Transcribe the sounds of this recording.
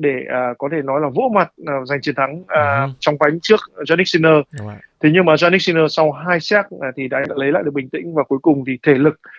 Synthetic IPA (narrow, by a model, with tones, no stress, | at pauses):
ɗe˧˩əː˨˩kɔ˨˦t̪ʰe˧˩nɔ˨˦jlaː˨˩və̰˧˥ma˨˩t̚ːza˨˩jŋ̟t͡ɕi˨˩ənt̪ʰa˨˦ŋəː˨˩t͡ɕɔ˧wŋ͡mva˨˦jŋt͡ɕɨ˦˥ək̚zaː˧ni˦˥k̚si˧nəː˧t̪ʰe˨˦ɲɨ˧maː˨˩zaː˧ni˦˥k̚si˧nəː˧sa˧wɦaː˧jsaː˦˥k̚ːt̪ʰi˨˩ɗa̰ː˧ɗa̰ː˧˥lə˨˦ja̰ː˧˨jɗk̚ɓï˨˩ŋt̪ḭ˧˥ŋ̟vaː˨˩ku˨˦jkʊ˨˩ŋ͡mvi˨˩t̪ʰe˧˩lɨ˨˩k̚